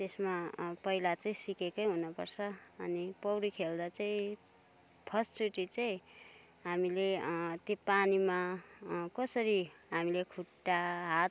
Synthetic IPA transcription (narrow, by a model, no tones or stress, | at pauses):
t̪esmapʌilat͡sʌĩsikekʌjɦunʌpʌrt͡sʰʌʌnipʌwɾikʰeld̪at͡sʌĩ | pʰʌst͡suʈit͡sʌĩ | ɦamilet̪jopanima | kʌsʌɾiɦamilekʰuʈːaɦat̪̚